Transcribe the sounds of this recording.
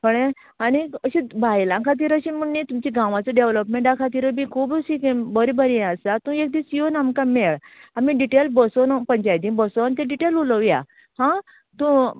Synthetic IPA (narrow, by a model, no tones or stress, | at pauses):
kəɳe | aniəɕĩbʱajlãkʰat̪̬iːɾəɕinməɳnit̪umt͡ɕiɡãʋat͡səɖeʋləpmẽɳʈãkʰat̪̬iːɾəbĩkʰuːbusikebəɾibəɾĩasat̪ũek̚d̪isijonamkameɭamiɖiʈelbəsɔnpəɲt͡ɕajd̪ĩnbəsɔnt̪ẽɖiʈeluləʋja | hã | t̪ũ